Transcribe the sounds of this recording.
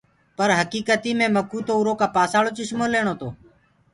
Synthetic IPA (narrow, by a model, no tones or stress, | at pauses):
pəɾɦəkiːkət̪iːmẽːməkuːt̪oːuːɾoːkaːpaːsaːɭoːt͡ʃɪʃmoːleːɳ̃oːt̪oː